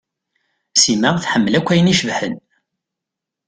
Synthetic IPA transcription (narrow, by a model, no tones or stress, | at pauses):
siməʁθħəmːəlækʷːæjəniʃvħə̰n